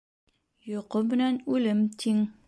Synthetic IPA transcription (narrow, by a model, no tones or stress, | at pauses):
joqomɘ̆nænʉlɘmt̪ʰiŋ